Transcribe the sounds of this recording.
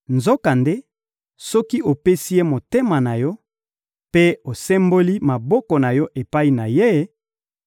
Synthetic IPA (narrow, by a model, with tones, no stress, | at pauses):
nzo˦ka˨nde˦ | sɔ˦ki˦ʔo˨pe˦si˦je˦mo˨te˦ma˨na˨jɔ˦ | pe˦o˨sɛ˦mbo˦li˦ma˨bɔ˦kɔ˨na˨jɔ˦ʔe˨pa˦i˨na˨je˦